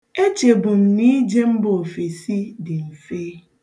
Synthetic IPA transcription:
e˦t͡ʃe˨bʊ˨m̩˨ni˦d͡ʒe˦m̩˦bʊ˨o˨fe˨si˦dɪ˨m̩˨feː˦

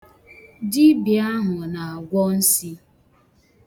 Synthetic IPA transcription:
d͡ʒi˦bi˨a˦ɦʊ˨na˨a˨ɡʷɔ˦n̩˦si˦

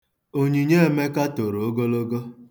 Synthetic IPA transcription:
o˦ɲi˨ɲe˦e˨me˦ka˦to˨ɾo˨o˦ɡo˦lo˦ɡo˦

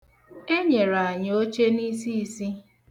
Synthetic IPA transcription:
e˦ɲe˨ɾa˨ɲ˨o˦t͡ʃe˦ni˦si˦i˦si˦

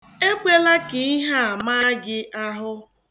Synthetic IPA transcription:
e˦kʷe˦la˦kɪ˨i˦ɦa˦a˨ma˦ɡɪ˦ʔa˦ɦʊ˦

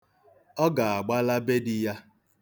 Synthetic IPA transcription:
ɔ˦ɡa˨a˨ɡ͡ba˦la˦be˦dɪ˦ja˦

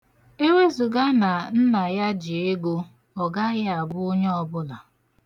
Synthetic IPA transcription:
e˦we˦zu˨ɡa˦na˨n̩˦na˨ja˦d͡ʒɪ˨e˦ɡo˦ | ɔ˨ɡa˦ɣɪ˦a˨bʊ˦o˦ɲe˦ɔ˦bʊ˦la˨

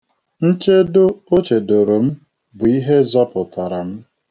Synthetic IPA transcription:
n̩˦t͡ʃe˦dʊ˦o˦t͡ʃe˨do˨ɾo˨m̩˦ | bʊ˨i˦ɦe˦zɔ˦pʊ˨tʰa˨ɾa˨m̩˦

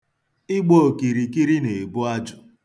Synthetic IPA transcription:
ɪ˦ɡ͡bo˦˨ki˨ɾi˨ki˦ɾi˦ne˨bʊ˦a˦d͡ʒʊ˨

